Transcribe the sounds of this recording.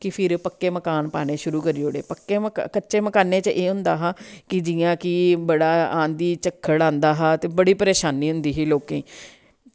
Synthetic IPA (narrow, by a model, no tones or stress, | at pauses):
kɪpʰɪɾpəkːeːməkaːnpa̰ːɽ̃eːʃʊɾuːkəɾiːoːɽḛːpəkːeːməkətːʃeːməkaːnẽːt͡ʃəʔeːɦʊ̃nd̪aːɦaːkɪd͡ʒɪjãːkɪbəɽaːãːnd̪iːt͡ʃəkʰːəɽãːnd̪aːɦaːt̪eːbəɽiːpəɾeːʃaːniːɦʊnd̪iːɦiːloːkẽː